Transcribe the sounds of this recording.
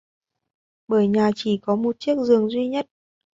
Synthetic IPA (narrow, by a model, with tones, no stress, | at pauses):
ɓəː˧˩jɲaː˨˩t͡ɕi˧˩kɔ˨˦mo˨˩t̚t͡ɕi˦˥ək̚zɨ˨˩əŋzwi˧ɲə˦˥t̚